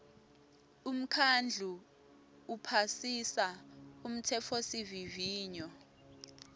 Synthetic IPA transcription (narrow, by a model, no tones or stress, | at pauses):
um̩kʰand͡ɮʱuː | pʰasisaum̩tʰɛfʰosiviviːɲɔ